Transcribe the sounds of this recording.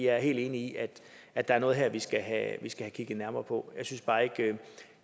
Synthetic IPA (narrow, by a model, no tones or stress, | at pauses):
ɑæɐɦe̝̰ːld̥e̝ːniiʔæd̥ | ʔæd̥ɑ̈æɐnɔ̽ːð̞̩ˠɦeɐʋisɡ̥æɦæʋisɡ̥æhækʰiɡ̥ð̩ˠnæɐmɐːpʰɒ̽jɑ̈ɪsynsb̥ɑ̈ːe̝ɡ̥ø